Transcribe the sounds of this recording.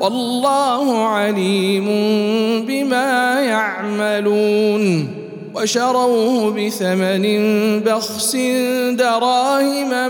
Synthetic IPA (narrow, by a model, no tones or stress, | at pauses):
wʔɑlːɑːhʊʕaliːmʊnbɪmaːjaʕmaluːn | waʃɑɾˤɑwhʊbɪθamanɪnbɑɣsɪnd̪ɑɾˤɑːhɪma